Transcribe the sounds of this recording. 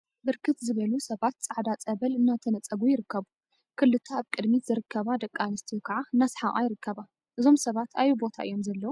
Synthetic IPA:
bɨɾkʰɨt̪zɨβɐlusɐβat̪t͡sʼaʕd̪at͡sʼɐβɐlɨnːat̪ʰɐnɐt͡sʼːɐɡujɪɾɨkːɐβu | kʰɨlːɨt̪ʰaːβkʼɨd̪miz̥ɨɾɨkʰːɐβad̪ɐkʼːanɨst̪ʰijukʰɐʕaɨnːasħaʔʼa̰jɪɾɨkʰːɐβa | ʔɨzo̞msɐβat̪ʰajubo̞t̪ʰa̰ʔɨ̰jo̞mzɐlːɐwu

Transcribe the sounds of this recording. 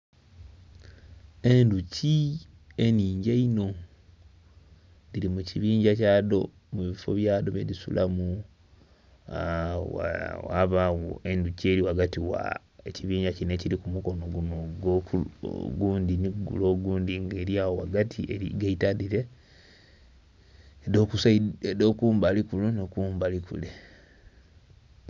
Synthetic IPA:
e̞nduci | eniːɲɟeino̞ | ðiɾimuciβiːɲɟacaːdo̞̰ | muβifo̰βjaːdo̞βḛdisṵlamu | aa̰βawoe̞nducie̞ːɾiwaɡatiwa̰ | eciβiːɲɟacineciɾikumuko̞noɡunoɡokṵɡuːndiniɡṵlo̞ːɡuːndiŋɡeːɾiawowaɡatʰiʔeḭɡaitaðiɾe̞ | do̞ːkusaiedoːkuːmbalikulunokuːmbalikṵle

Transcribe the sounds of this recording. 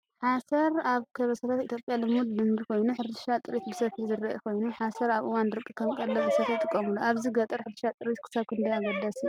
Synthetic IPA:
ħasɐɾaβkʰɐβɐsɐt̪ʰat̪it̪jopʼjalɨmut̪̚d̪ɨmbikʰo̞jnuħɨɾʃat̪ʼɨɾit̪bɨsɐfizɨɾːɐʔḭkʰo̞jnuħasɐɾaβʔɨwanɾɨkʼːɨkʰɐmkʼɐlːɐbɨsɐfjɨt̪ʼɨkʼːɐmuluʔaβziɡɐt̪ʼɐɾħɨɾʃat̪ʼɨɾit̪kʰɨ̥saβkʰɨnd̪ɐjaɡɐd̪asi

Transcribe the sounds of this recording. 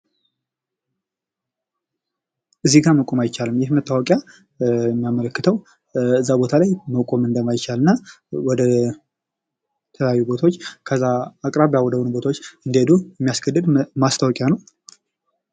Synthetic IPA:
ʔɨzːiɡaməkʼomajt͡ʃːalɨmjɛhmət̪ʰːawɔkʼja | ɛmːijamələkːɨt̪ʰəw | ɨzːabo̞t̪ʰalajməkʼomɨnd̪əmːajt͡ʃalɨnːa | wɔd̪ə | t̪ʰələjajːubo̞t̪ʰot͡ʃːkʰəzːaːkʼɾaβjawɔd̪əwunubo̞t̪ʰawot͡ʃːɨnd̪jed̪uɛmːijasɡʰəd̪ːɨd̪mast̪ʰawɔkʼjanəw

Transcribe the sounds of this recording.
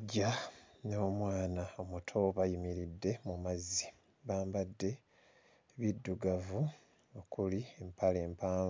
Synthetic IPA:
ɟano̞ːmwaːnao̞mutʰo̞βajimiɾidːe̞mumazi̥ | βaːmbadːe̞ | βidːuɡavu | o̞kuliempaleːmpaː

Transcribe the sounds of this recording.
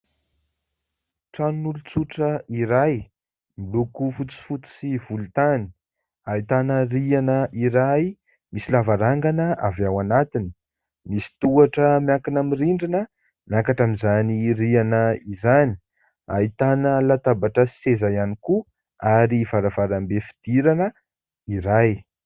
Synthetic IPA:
ʈ͡ʂanunulut͡suʈ͡ʂəiɾaj | milukufut͡si̥fut͡si̥sivulut̪ani̥ | ait̪anərianəʔiɾaj | misilavaɾaŋɡanəavawanat̪inə̥ | misi̥t̪uaʈ͡ʂəmjakinamiriɳɖ͡ʐinə | mjakaʈ͡ʂamizaniɾianəizani̥ | a̰it̪anəlat̪abaʈ͡ʂəsezajaniku | aɾivaɾavaɾambefi̥d̪̥iɾanə | iɾaj

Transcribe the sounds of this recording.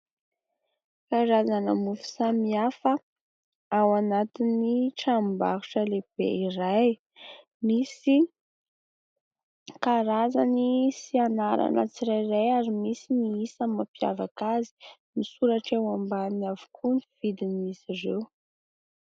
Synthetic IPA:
kaɾazanəmufu̥samiafə | awanat̪iniʈ͡ʂambaɾuʈ͡ʂəleb̥ḛiraj | misi | kaɾazanisianaɾa̰nə̰t͡siɾajrajaɾimisiniisəmapja̰vakazi̥misuɾaʈ͡ʂewambaniavu̥kʰuniv̥id̪inisirew

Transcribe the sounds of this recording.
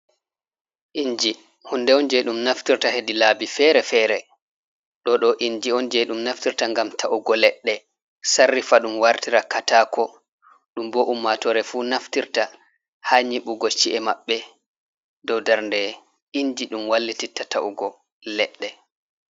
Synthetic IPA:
ʔiɲd͡ʒi | hunːdɛɔnd͡ʒɛɗumnaftiɾtahedilabifɛɾɛfɛɾɛ | ɗɔɗɔʔiɲd͡ʒiɔnd͡ʒɛɗumnaftiɾtaŋɡamtʰaʔuɡɔlɛɗːɛ | sarːifaɗumwaɾtiɾakataːkɔ | ɗumbɔʔumːatɔɾɛfunaftiɾta | haɲiɓuɡɔt͡ʃiʔɛmaɓːɛ | dɔwdaɾndɛ | iɲd͡ʒiɗumwalːititːataʔuɡɔ | lɛɗːɛ

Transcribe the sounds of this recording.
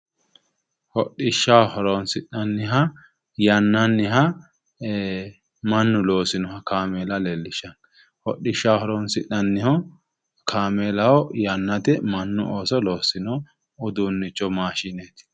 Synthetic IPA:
hɔɗːɪʃːahɔɾɔnsɪʔɐnːɪɦɐ | jɐnːɐnːɪɦɐ | mɐnːʊloːsɪnɔhɐkaːmeːlɐlɛlːɪʃːɐn | hɔɗːɪʃːahɔɾɔnsɪʔɐnːɪhɔ | kʰaːmeːlɐhɔjɐnːɐt̪ɪmɐnːʊoːsɔlo̞ːsɪnɔː | d̪unːɪt͡ʃːɔmaːʃɪnet̪ɪ̥

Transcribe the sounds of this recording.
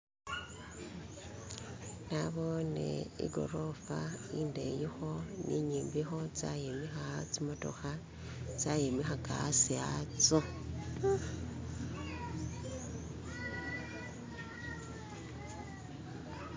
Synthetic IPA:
naβonḛḭɡo̞̰ɾo̞faindejixoniɲiːmbixo̞t͡sajemixat͡simoto̞̰xa | t͡sajemixakasiat͡so

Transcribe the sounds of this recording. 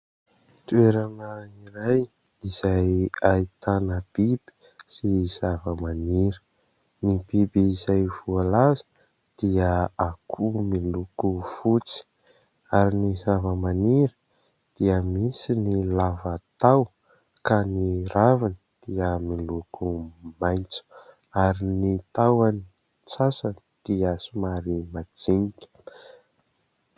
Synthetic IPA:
t̪ueɾanəiɾaj | iz̥ajait̪anəb̥ib̥i̥ | siz̥avəmaniɾə̥ | nib̥ibiːzajvualazə̥ | d̪̥iəakʰumilukufut͡si̥ | aɾinizavəmaniɾə | d̪̥iəmisinilavat̪aw | kaniɾavanid̪̥iəmilukumajnt͡su̥ | aɾinit̪awani | t͡sasanid̪̥iasumaɾimad͡ziɲikə̥

